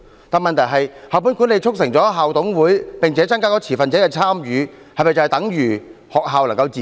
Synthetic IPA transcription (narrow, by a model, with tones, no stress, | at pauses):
t̪aː˨nmɐ˨nt̪ʰɐ˨˩ɦɐ˨jhaː˨wp̬u˨˥nkʷu˨˥nle˨˧jt͡sʰʊ˥k̚sɪ˨˩ŋt͡sɔː˨˥ɦaː˨wt̪ʊ˨˥ŋwuː˨˥jpɪ˨ŋt͡sʰɛː˨˥t͡sɐ˥ŋkaː˥kɔː˨˧˥t͡sʰiː˨˩fɐ˨nt͡sɛ˨˥ɛ˧t͡sʰaː˥mjyː˨˧ | hɐ˨jmɐ˨jt͡sɐ˨˧hɛ˨jt̪ɐ˨˥ŋjyː˨˩hɔː˨k̚ɦaː˨˧wlɐ˨˩ŋkɐ˧wt͡siː˨